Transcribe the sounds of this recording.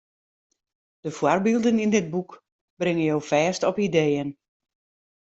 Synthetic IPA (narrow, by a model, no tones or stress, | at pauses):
d̥əfwarbilˠdənindɪd̚buk | b̥rɪŋənjowfɛːstɔpidejən